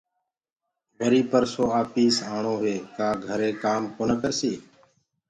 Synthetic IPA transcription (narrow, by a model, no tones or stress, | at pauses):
bʱəɾiːpəɾsoːaːpiːsaːɳõːɦʋeːkaːɡʱəɾeːkaːmkoːnəkəɾsiː